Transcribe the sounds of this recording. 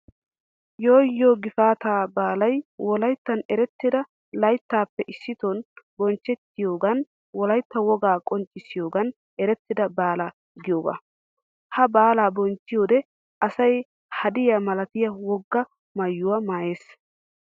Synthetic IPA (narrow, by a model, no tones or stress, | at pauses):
joːjːoːɡɪfaːt̪aːbaːlɐjwɔlɐjt̪ːɐnɛɾɛt̪ːɪd̪ɐ | lɐjt̪ːaːpːɛʔɪsːɪt̪ɔnbɔnt͡ʃːɛt̪ːɪjoːɡɐn | wɔlɐjt̪ːɐwɔɡaːkʼɔnt͡ʃʼːɪsɪjoːɡɐn | ɛɾɛt̪ːɪd̪ɐbaːla | ɡɪjoːɡɐ̰ | hɐbaːlaːbɔnt͡ʃːɪjoːd̪ɛ | ʔɐsɐj | hɐd̪ɪjamɐlɐt̪ɪjɐwɔɡːɐ | mɐjːʊwɐmaːje̞ːs